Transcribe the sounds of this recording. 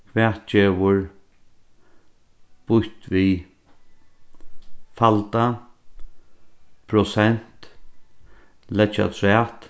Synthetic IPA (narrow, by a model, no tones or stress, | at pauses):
kʰvɛːt̪t͡ʃeːʋʊɹ | b̥ʊht̪ʋi | falt̪a | pʰɾʊsɛn̥t̪ | lɛt͡ʃa̰t̪ʰɾɛːt̪